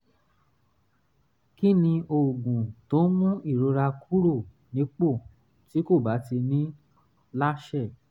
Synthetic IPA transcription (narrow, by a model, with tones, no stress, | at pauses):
ki˦nĩ˧ʔo˨ɡũ˨to˨˦mũ˦i˦˨ɾo˧ɾa˧kʰu˦ɾo˦˨ | nĩ˨˦k͡po˦˨ | ti˨˦ko˦˨ba˨˦ti˧nĩ˦ | la˦ʃɛ˦˨